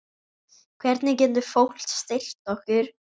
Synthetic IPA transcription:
kʰvɛɾt̪nɪcɛnt̪ʏ̥fowl̥t̪st̪ɪl̥t̪ɔhkʏɾ̥

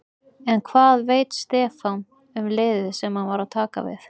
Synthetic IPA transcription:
ɛnkʰvaːðveːjt̪st̪ɛːfan | ʏmleːjðɪsɛmhanvaɾaðt̪ʰaːka̰vɪ̰θ

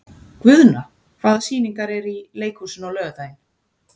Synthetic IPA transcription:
kvʏðna | kʰv̥aːðsiːniŋkaɾɛɾileːjkʰhusʏnɔlœːɣat̪ajɪn

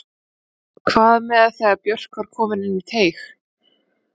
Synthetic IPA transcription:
kʰvaːðmɛðaθɛɣapjœr̥kvaɾ̥kʰɔːmɪnɪnːit̪ʰeːjx

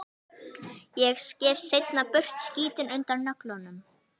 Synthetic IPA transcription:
jɛɣscɛːvsejt̪napʏr̥t̪sciːt̪ɪnʏnt̪aɾnœklɔnʏm

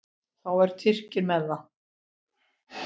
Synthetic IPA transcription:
θawɛɾ̥t̪ʰɪr̥cɪɾmɛðːa

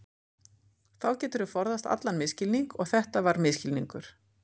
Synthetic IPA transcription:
θawcɛːt̪ʏɾʏfɔɾðast̪a̰t̪lanmɪscɪlniŋkɔɣθɛht̪avaɾmɪscɪlniŋkʏɾ̥

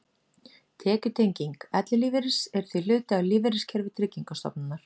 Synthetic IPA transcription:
t̪ʰɛːcʏt̪ʰejɲciŋkɛt̪lɪliːvɪɾɪsɛɾ̥θvil̥ʏːt̪ɪaliːvɪɾɪscʰɛɾvɪt̪ʰɾɪciŋkast̪ɔ̰pnanːaɾ̥

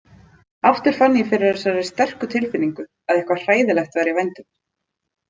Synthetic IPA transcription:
aft̪ʏɾ̥fanːɪjɪfɪɾɪɾɛsaɾaɪ̥st̪ɛr̥kʏt̪ʰɪlfɪnːiŋkʏ | aðɛhkvar̥aːjðɪlɛxt̪vaːjɾɪvajnt̪ʏm

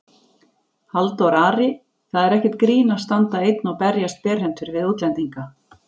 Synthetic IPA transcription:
halt̪ɔɾaːɾɪ | θaðɛɾɛhcɛt̪̚kɾiːnast̪ant̪aejt̪nawpɛɾjast̪̚pɛːɾ̥ɦɛnsɪɾvɪðuːt̪lɛnt̪iŋka

